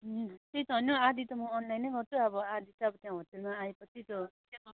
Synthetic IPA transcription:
t̪ejt̪ʌɦʌnoad̪it̪ʌmʌːnlajnʌɡʌrt͡sʰuʌbʌad̪ʱit̪ʌʌbʌt̪jãɦʌt̪eɾmaaepʌt͡sʰit̪ot̪ãʌ

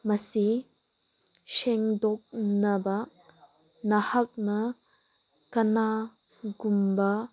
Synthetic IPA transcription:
mɐsi | ʃɛŋdɔk̚nɐbɐ | nɐhɐk̚nɐ | kɐna | ɡumbɐ

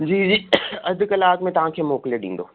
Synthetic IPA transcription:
d͡ʑiːd͡ʑiːɐd̪ʱkɐlaːkmẽt̪ɐɦãkʰemoːkleɗḭ̃ːnd̪o̰ː

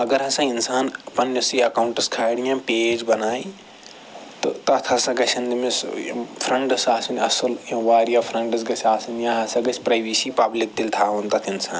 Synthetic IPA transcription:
ɐɡɐɾɦãsɐ̃insaːnpɐnjɐsiɐkawuɳʈɐskʰaːjɽijãped͡ʒbɐnaːi | t̪ɔt̪ɐt̪ʰasɐ̃ɡɐt͡ʃʰɐnd̪imespʰɾɐɳɖɐsaːsunɐsɐlẽʋaːɾjapʰɾɐɳɖɐsɡɐsʰaːsunjãɦãsɐ̃ɡɐt͡ʃʰpɾajbisipɐblik̚d̪ilt̪ʰaʋunt̪ɐt̪ʰinsaːn

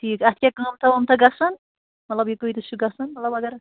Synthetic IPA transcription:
ʈʰiːkɐt̪̚ʰkʲekaːmt̪ʰɐʋɐmt̪ʰɐɡɐsɐn | mɐt̪lɐbjikoit̪usʰuɡɐsɐnmɐt̪lɐbɐɡɐɾ

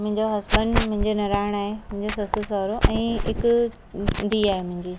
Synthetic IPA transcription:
mʊ̃ɦɪ̃ɲd͡ʑoɦɐspənmʊ̃ɦɪ̃ɲd͡ʑonɐɾaːɪɽ̃aːɦemʊ̃ɦɪ̃ɲd͡ʑosɐsʊsɔːɾoʔɛ̃ːɦɪkʊ | d̪iːaːɦemʊ̃ɦɪ̃ɲd͡ʑiː

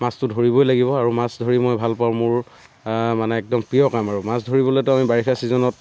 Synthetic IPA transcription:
mastʊdʱoɹibɔjlaɡibɔaɹumasdʱoɹimojbʱalpawmʊɹ | manɛːk̚dɔmpijɔkamaɹumasdʱoɹibɔlojtʊamibaɹixʰasizɔnɔt̚

